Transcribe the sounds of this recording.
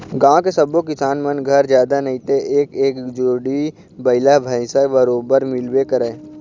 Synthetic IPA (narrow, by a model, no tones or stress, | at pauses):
ɡãːkesəbokɪsaːnmənɡʱəɾd͡ʒjaːd̪anɐĩt̪eʔeːkeːkd͡ʒoːɽi | bəɪlabʱəɪsabəɾoːbəɾmɪlbekəɾeː